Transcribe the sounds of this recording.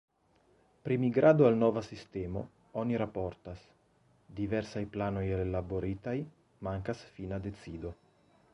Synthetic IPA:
pɾimiɡɾad̪oalnovasistemo̞̰ | oniɾapoɾtas | diveɾsajplano̞jelelabo̞ɾitaj | maŋkasfinad̪e̞t͡sid̪o̞

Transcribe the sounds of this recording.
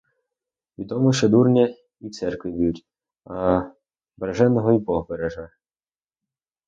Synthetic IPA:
ʋʲit̪ɔmʊʃt͡ʃɔd̪urnʲɐ | it̪sɛrkʋʲibjutʲ | ɐ | beɾeʒɛnːɔɦɔipɔɦbeɾɛʒa

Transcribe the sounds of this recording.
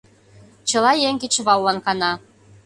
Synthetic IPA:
t͡ɕə̆lɑjeŋɡit͡ɕβɑwːɑnkɑnɑ

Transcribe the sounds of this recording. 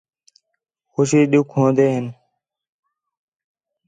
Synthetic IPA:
xʊʃiːɗjuːkʰɦõːd̪eːɦɪn

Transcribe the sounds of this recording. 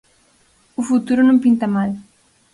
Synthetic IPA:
ufut̪uɾunõmpint̪amal

